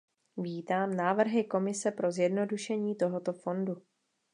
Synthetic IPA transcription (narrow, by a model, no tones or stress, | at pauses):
viːt̪aːmnaːvr̩ɦɪko̞mɪsɛpɾo̞zjɛdno̞duʃɛɲiːt̪o̞ɦot̪ofo̞ndu